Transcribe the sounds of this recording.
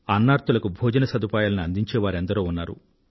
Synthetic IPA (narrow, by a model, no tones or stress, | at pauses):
ɐnːaːɾt̪ulɐkubʱɔːd͡ʒɐnɐsɐd̪upaːjaːlɐniɐnd̪iɲt͡ʃeːʋaːɾend̪ɐɾoːunːaːɾṵ